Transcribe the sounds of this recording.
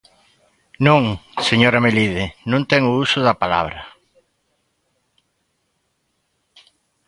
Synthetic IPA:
nõŋseɲoɾameliðɪnũnt̪ɛŋʊusʊðɐpala̰βɾɐ

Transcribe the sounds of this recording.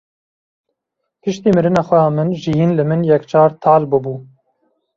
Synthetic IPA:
pɨʃt̪iːmɨɾɨnɑːxʷɛjɑːmɨnʒijiːnlɨmɨnjɛkt͡ʃʰɑːɾt̪ʰɑːlbɨbuː

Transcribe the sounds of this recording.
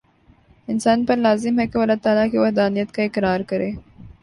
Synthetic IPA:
ɪnsɑːnpəlɑzɪmhakewalɑt̪ɑːlakewahd̪ɑːnijat̪̚kaɪkɾɑːɾkəɾe

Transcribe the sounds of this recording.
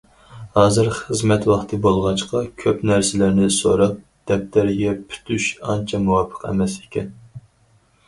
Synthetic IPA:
hɑːzɨɾχəzmɛt̪wɑχt̪ʰɨbolˠʁɑt͡ʃqɑkʲʰøpnæɾsɪlæɾnɪsoɾɑp̚ | d̪̥ɛp̚t̪ʰæɾɪɡʲɛpʰy̥t̪ʰyʃɑnt͡ʃʰɑmuwɑpʰə̥qɛ̰mɛse̥kʲʰɛn

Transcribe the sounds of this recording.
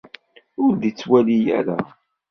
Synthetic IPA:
ʊɾðit͡sːwælijæ̰ɾæ

